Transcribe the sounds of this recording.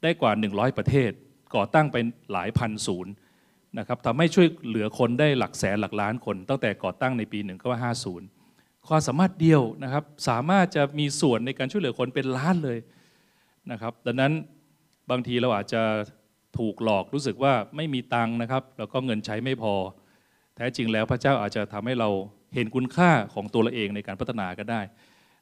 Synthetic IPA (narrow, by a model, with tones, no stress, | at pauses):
daː˥˩jkwaː˨˩nɯ˨˩ŋɾɔː˦˥jpɾa˧t̪ʰeː˥˩t̪̚ | kɔː˨˩t̪a˥˩ŋpa˧jla̰ː˩˦jpʰa˧nsuː˩˦n | na˦˥kʰa˦˥p̚t̪ʰa˧mɦa˥˩jt͡ɕʰu˥˩əjlɯ˨˩˦ɐkʰo˧ndaː˥˩jla˨˩k̚sɛː˩˦nla˨˩k̚laː˦˥nkʰo˧nt̪a˥˩ŋt̪ɛː˨˩kɔː˨˩t̪a˥˩ŋna˧jpiː˧nɯ˨˩ŋkʰɔ˥˩maː˥˩ɦaː˥˩suː˩˦n | kʰwaː˧msa˩˦maː˥˩t̪̚di˧əwna˦˥kʰa˦˥p̚saː˩˦maː˥˩t̪̚t͡ɕa˨˩miː˧su˨˩ənːa˧jkaː˧nt͡ɕʰu˥˩jlɯ˩˦kʰo˧npe˧nlaː˦˥nlɤː˧j | na˦˥kʰa˦˥p̚da˧nːa˦˥n | baː˧ŋt̪ʰiː˧ɾa˧wʔaː˨˩t̪̚t͡ɕa˨˩ | t̪ʰuː˨˩k̚lɔː˨˩k̚ɾuː˦˥s̬ɯ˨˩k̚waː˥˩ma˥˩jmiː˧t̪a˧ŋna˦˥kʰa˦˥p̚lɛː˦˥wkɔː˥˩ŋɤ˧nt͡ɕʰa˦˥jma˥˩jpʰɔː˧ | t̪ʰɛː˦˥t͡ɕi˧ŋlɛː˦˥wpʰɾa˥t͡ɕaː˥˩wʔaː˨˩t̪̚t͡ɕa˨˩t̪ʰa˧mha˥˩jɾa˧w | he˩˦nkʰu˧nkʰaː˥˩kʰɔː˩˦ŋt̪u˧əla˧˥ʔeː˧ŋna˧jkaː˧npʰa˦˥t̪ʰːa˧naː˨˧ka˥˩daː˥˩j